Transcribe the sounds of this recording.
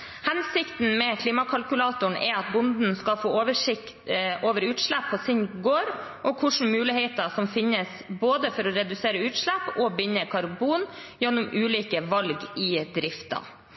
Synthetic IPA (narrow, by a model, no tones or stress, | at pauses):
hɛnsɪkt̪n̩mɛkʰliːmɑkʰɑlkʉlɑːt̪ʊɳɛ̰ɑt̪̚bʊnd̪n̩skɑfoːoːʋəʂɪkt̪ʔoːʋəɾʉːt̪ʂlæpʰːɔsɪnɡoːɾ | ʔɔkʰʊʂɳ̩mʉːlɪhɛɪt̪ɑsɔmfɪnːəs | boːd̪əfɔɾɔɾɛd̪ʉseːɾəʉːt̪ʂlæpːɔbʏnːəkʰɑɾbuːn | jɛnːʊmʉːliːkəʋɑlɡɪd̪ɾɪft̪ɑ̰